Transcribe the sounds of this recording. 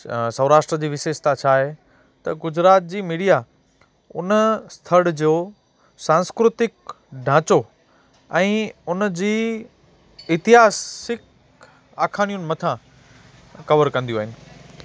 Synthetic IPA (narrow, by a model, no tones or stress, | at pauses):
sɐʋɾaːʃʈɾəd͡ʑiːʋɪʃeːʃt̪at͡ɕʰaːɦe | t̪ɐɡʊd͡ʑɾaːt̪̚d͡ʑiːmiːɽija | ʊnəst̪ʰɐɽd͡ʑoː | sãːnskɾʊt̪ɪk̚ | ɖʱãːt͡ɕo | ɛ̃ːʊnd͡ʑiː | ɪt̪iɦaːsɪk | aːkʰaːɽ̃ijʊnɪ̆mɐt̪ʰã | kɐʋəɾkɐ̃nd̪ijuaːɦɪnɪ̆